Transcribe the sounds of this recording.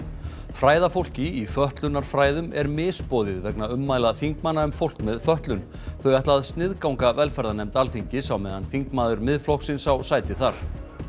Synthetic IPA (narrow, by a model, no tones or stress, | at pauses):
fɾaːjðafowl̥cɪifœht̪lʏnːaɾ̥fɾaːjðʏmɛɾmɪːspɔːðɪðvɛknaʏmːaːjlaðθiŋkmanːaʏmfowl̥kmɛðfœht̪lʏn | θœɥɛht̪laðst̪nɪðkawŋkavɛlfɛɾðanɛmt̪alθiɲcɪsawmɛðanθiŋkmaːðʏɾmɪðflɔksɪnsawsaːjt̪ɪθaɾ̥